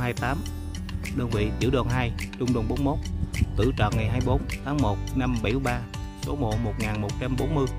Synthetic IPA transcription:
haː˧jt̪aː˨˦m | ɗəː˧nvḭ˧˨t͡ɕɨ̰˧˩əwɗwɔ˨˩nɦaː˧jt͡ɕʊ˧ŋ͡mɗo˧nɓo˨˦nmo˦˥t̚t̪ɨ̰˧˩t͡ɕɔ̰˧˨˩nŋa˨˩jɦaː˧jɓo˨˦nt̪ʰaː˨˦ŋmo˨˩t̚na˧mɓə˧˩jɓaː˧ | so˨˦mo̰˧˨˩mo˨˩t̚ŋaː˨˩nmo˨˩t̚t͡ɕa˧mɓo˨˦nmɨ˧əj

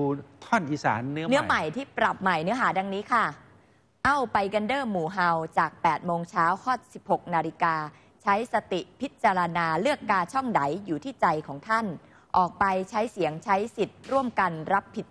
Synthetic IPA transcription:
u˧t̪ʰɔ˥˩nʔiː˨˩sa̰ː˩˦nːɯ˦˥nɯ˦˥ɐ˨˩ma˨˩jt̪ʰiː˥˩pɾa˨˩p̚ma˨˩jnɯ˦˥ɐɦaː˩˦da˧ŋniː˦˥kʰa˥˩ | ʔa˥˩wpa˧jka˧ndɤː˥˩muː˨˩ɦa˧wt͡ɕaː˨˩k̚pɛː˨˩t̪̚moː˧ŋt͡ɕʰaː˦˥wkʰɔː˥˩t̪̚si˨˩p̚ho˨˩k̚naː˧li˧kaː˧ | t͡ɕʰa˦˥jsa˧t̪i˨˩pʰi˦˥t̪̚t͡ɕa˧ɾa˧naː˧lɯ˥˩əkːaː˧t͡ɕʰɔ˥˩ŋda˩˦jjuː˨˩t̪ʰiː˥˩t͡ɕa˧jkʰɔː˩˦ŋt̪ʰa˥˩n | ʔɔː˨˩k̚pa˧jt͡ɕʰa˦˥jsi˨˩˦əŋt͡ɕʰa˦˥jsi˨˩t̪̚ɾu˥˩əmka˧nɾa˦˥pʰːi˨˩t̪̚

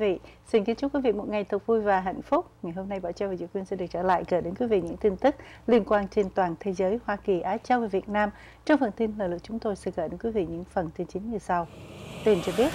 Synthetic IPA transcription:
vḭ˧˨si˧nki˧˦ənt͡ɕʊ˦˥k͡p̚wi˨˦vḭ˧˨mo˨˩t̚ŋa˨˩jt̪ʰɨ˨˩k͡p̚vu˧jvaː˨˩ɦa̰˧˨jŋ̟fʊ˦˥k͡p̚ŋa˨˩jɦo˧mna˧jɓaː˧˩wt͡ɕa˧wva˨˩zɨ̰˧˥kwi˧ənsɛ˧˥ɗɨ˨˩ək̚t͡ɕəː˧˩la̰ː˧˨jkəː˧˩ɗe˨˦nkwi˨˦vḭ˧˨ɲɨ̰˧˥ŋt̪i˧nt̪ɨ˦˥k̚li˧ənkwaː˧nt͡ɕe˧nt̪waː˨˩nt̪ʰe˨˦zəː˨˦jhwaː˧ki˨˩ʔaː˨˧t͡ɕa˧wvaː˨˩vət̚naː˧m | t͡ɕɔ˧wŋ͡mfə˨˩nt̪i˧nləː˨˩lɨ˨˩k̚t͡ɕʊ˨˦ŋ͡mt̪o˧jsɛ̰˧˥kəː˧˩ɗe˨˦nkwi˨˦vḭ˧˨ɲɨ̰˧˥ŋfə˨˩nt̪i˧nt͡ɕï˨˦ŋ̟ɲɨ˧sa˧wt̪i˧˩nt͡ɕɔ˧ɓi˦˥ət̚

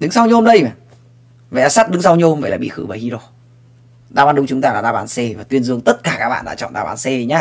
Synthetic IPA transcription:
ɗɨ˨˦ŋsa˧wɲɨ˧ho˧mɗə˧jma˨˩ | və˨˧˩ʔaː˨˧sa˦˥t̚ɗɨ˨˦ŋsa˧wɲ˧ho˧mvə̰˧˨laː˨˩ɓḭ˧˨xɨ̰˧˩vəː˨˩hi˧ɗo˧˩ | ɗaː˧ɓaː˨˧nɗʊ˧˦ŋ͡mt͡ɕʊ˨˦ŋ͡mt̪aː˧laː˨˩ɗaː˧˩ɓaː˨˦nse˧vaː˨˩t̪wi˧ənzɨ˧əŋt̪ə˦˥t̚kaː˧˩kaː˦˥k̚ɓa̰ː˧˨ɗa̰ː˧t͡ɕɔ̰˧˨ɗaː˧˩ɓa̰ː˨˦nse˧ɲaː˧

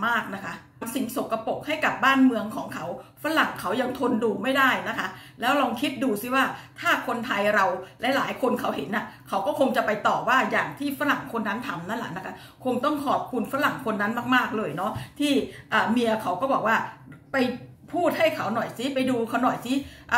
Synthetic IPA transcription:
maː˥˩k̚na˦˥kʰa˦˥˧msi˨˩ŋso˨˩ka˧po˨˩k̚ha˥˩jka˨˩p̚baː˥˩nmɯ˧əŋkʰɔː˩˦ŋkʰa˦˥wfa˦˥la˨˩ŋkʰa˦˥wja˧ŋt̪ʰo˧nduː˧ma˥˩jdaː˥˩jna˦˥kʰa˦˥lɛː˦˥wɾɔː˧ŋkʰi˦˥t̪̚duː˧si˦˥˩waː˥˩t̪ʰaː˥˩kʰo˧nt̪ʰa˧jɾa˧wlɛ˦˥laː˩˦jkʰo˧nkʰa˦˥whe˨˩˦nʔa˨˩kʰa˦˥wkɔː˥˩kʰo˧ŋt͡ɕa˨˩pa˧jt̪ɔː˨˩waː˥˩jaː˨˩ŋt̪ʰiː˥˩fa˦˥la˨˩ŋkʰo˧nːa˦˥nt̪ʰa˧mna˦˥nlɛ̰˨˩ʔna˦˥kʰa˦˥ | kʰo˧ŋt̪ɔ˥˩ŋkʰɔː˨˩p̚kʰu˧nfa˦˥la˨˩ŋkʰo˧nːa˦˥nmaː˥˩k̚maː˥˩k̚lɤː˧jnɔ˦˥t̪ʰiː˥˩ʔaː˨˩mi˧ɐkʰa˦˥wkɔː˥˩bɔː˨˩k̚waː˥˩pa˧j | pʰuː˥˩t̪̚ha˥˩jkʰa˦˥wnɔ˨˩jsi˦˥pa˧jduː˧kʰa˧˩wnɔ˨˩jsi˦˥ʔ

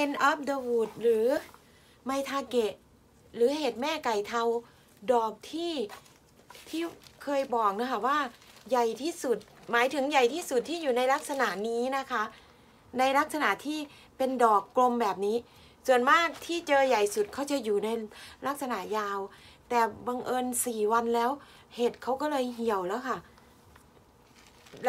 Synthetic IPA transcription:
pe˧nʔa˦˥p̚də˧wuː˨˩t̪̚ɾɯː˩˦ | ma˧jt̪ʰaː˧ke˨˩ | ɾɯː˩˦he˨˩t̪̚mɛː˥˩ka˨˩jt̪ʰa˧w | dɔː˨˩k̚t̪ʰiː˥˩ | t̪ʰiː˥˩kʰɤː˧jbɔː˨˩k̚na˦˥kʰa˥˩waː˥˩ja˨˩jt̪ʰiː˥˩su˨˩t̪̚maː˨˦jt̪ʰɯ˩˦ŋja˨˩jt̪ʰiː˥˩su˨˩t̪ʰːiː˥˩juː˨˩na˧jla˦˥k̚sa˧na˨˩ʔniː˦˥na˦˥kʰa˦˥ʔ | na˧jla˦˥k̚sa˧na˨˩ʔt̪ʰiː˥˩ | pe˧ndɔː˨˩kːlo˧mbɛː˨˩p̚niː˦˥ | su˨˩ənmaː˥˩t̪ʰiː˥˩t͡ɕɤː˧ja˨˩jsu˨˩t̪̚kʰa˦˥wt͡ɕa˨˩juː˨˩na˧jla˦˥k̚sa˧na˨˩ʔ̚jaː˧wt̪ɛː˨˩ba˧ŋʔɤː˧nsiː˨˩wa˧nlɛː˦˥w | he˨˩t̪̚kʰa˦˥wkɔː˥˩lɤː˧jɦi˨˩əwlɛː˦˥wkʰa˥˩

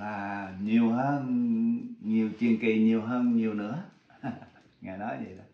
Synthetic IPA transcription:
laː˨˩ɲi˨˩əwhɦəː˧n | ɲi˨˩əwt͡ɕi˧ənki˧˨˩ɲi˨˩əwɦəː˧nɲi˨˩əwnɨ̰˧˥ə | ŋaː˨˩jnɔ˨˦jzḭ˨˧˩ɗa˨˦

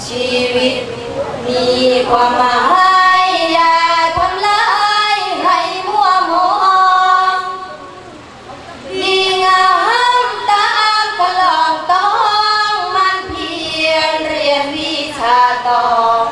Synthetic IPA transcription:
t͡ɕiː˧wi˧t̪̚ | miː˧kʰwaː˧mːa˨˧˩ɦa˧˥jja˧kʰo˧nla˧˦ha˧jɦa˧˦jmu˦˥˩əmo˧˦ʔɔ˧ŋ | miː˧˩ŋa˧ɦa˦˥mt̪a˧˦ʔa˧ka˧lɔ˧˩ŋt̪ɔ˧˦whɔ˦˧˦ŋma˧˥npʰi˧ənɾi˧˩ənmiː˧˥˩kʰaː˧˩t̪ɔː˧˩ŋ

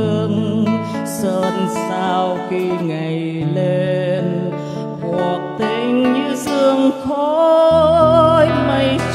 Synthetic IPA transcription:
ɨ˧əŋ | səː˧˩nsaː˧wki˧ŋa˨˩j | le˧n | kɔ˨˩ək̚t̪e˧˩ŋɲɨ˧sɨ˧əŋt̪ʰo˧˦ | jmə˧j

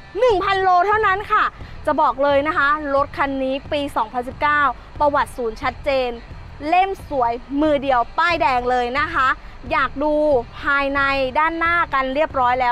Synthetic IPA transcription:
nɯ˨˩ŋpʰa˧nloː˧t̪ʰa˥˩wna˦˥nkʰa˥˩t͡ɕa˨˩bɔː˨˩k̚lɤː˧jna˦˥kʰa˦˥ɾo˦˥t̪̚kʰa˧nːiː˦˥piː˧sɔː˩˦ŋpʰa˧ns̬i˨˩p̚kaː˥˩w | pa˧wa˨˩t̪̚suː˩˦nt͡ɕʰa˦˥t̪̚t͡ɕeː˧n | le˥˩msu˩˦əjmɯː˧di˨˧əwpaː˥˩jdɛː˧ŋlɤː˧jna˦˥kʰa˦˥ | jaː˨˩k̚duː˧pʰaː˧jna˧jdaː˥˩nːaː˥˩ka˧nɾi˥˩əp̚ɾɔː˦˥jlɛː˦˥w

